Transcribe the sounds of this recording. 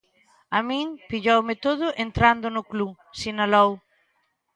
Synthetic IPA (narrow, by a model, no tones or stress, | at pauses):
amĩŋpiʎowmɪt̪oð̞ʊʔent̪ɾand̪ʊnʊklu | sinalow